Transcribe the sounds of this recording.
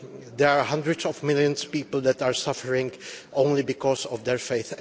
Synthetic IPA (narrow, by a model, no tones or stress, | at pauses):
d̪ɛɹaɹɦãndɹɨdsɔvmɪlˠjə̃nspiːpl̩ˠd̪ɛtaɹsafəɹɪ̃ŋʔõʊ̃nlibɪkɔsɔvd̪ɛɹfeɪθ